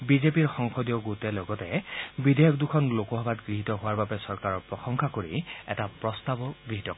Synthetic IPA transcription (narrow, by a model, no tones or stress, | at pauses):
bizepiɹxɔŋxɔdijɔɡutɛlɔɡɔtɛbidejɔk̚dukʰɔnlokɔɦɔbatɡɹiɦitɔɦʊwaɹbabɛsɔɹkaɹɔɹpɹɔxɔŋxʰakoɹḭɛ̰tapɹɔstabɔɡɹiɦitɔk